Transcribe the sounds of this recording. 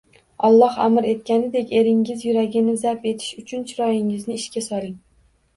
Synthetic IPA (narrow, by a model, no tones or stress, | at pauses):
ɒlˠːɒha̰mɪɾe̞t̪̚kʲanɪd̪e̞kʲe̞ɾɪŋːɪzjʊɾaɡʲɪnɪzape̞t̪ʰɪ̥ʃʊt͡ʃʰʊnt͡ʃʰɪɾɒjɪŋɪznɪɪʃkʲasɒɾɪŋ